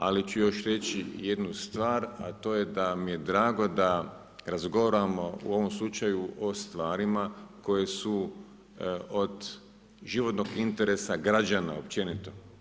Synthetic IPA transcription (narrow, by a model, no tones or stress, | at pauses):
alit͡ʃujo̞ʃɾe̞t͡ɕije̞d̪nust̪ʋaːɾa̰t̪o̞ːje̞d̪amije̞d̪ɾaːɡo̞d̪a | ɾazɡo̞ʋaɾamo̞ṵo̞ʋo̞mslˠut͡ʃajuʔo̞st̪ʋaːɾimako̞je̞su | od̪ | ʒiʋo̞t̪noɡint̪e̞ɾesaɡɾad͡ʒana̰op̚t͡ʃe̞nit̪o̞